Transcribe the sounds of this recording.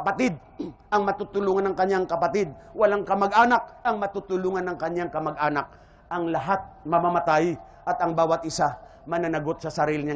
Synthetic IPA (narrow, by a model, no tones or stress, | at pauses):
ɐpɐt̪ɪd̪̚ | ʔɐŋmɐt̪ut̪ʊluːŋɐnɐŋkɐɲaŋkɐpɐt̪ɪd̪̚wɐlaŋkɐmɐɡʔaːnɐk̚ʔɐŋmɐt̪ut̪ʊluːŋɐnɐŋkɐɲjaŋkɐmɐɡʔaːnak̚ | ʔɐŋlɐɦat̪̚mɐmamɐt̪aj | ʔɐt̪ɐŋbaːwɐt̪̚ʔɪsa | mɐnanɐɡot̪̚sɐsɐɾiːlɪɲa